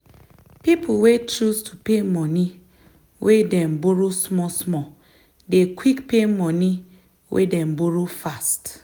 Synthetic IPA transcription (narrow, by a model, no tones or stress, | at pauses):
pipʰuwet͡ʃɾustʰupemɔni | wʔedɛ̃mboɾosmɔsmɔ | dekwikpemɔni | wʔḛdɛmboɾofast